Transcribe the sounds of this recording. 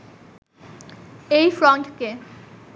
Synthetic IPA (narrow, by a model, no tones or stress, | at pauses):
ejfɾɔɳʈke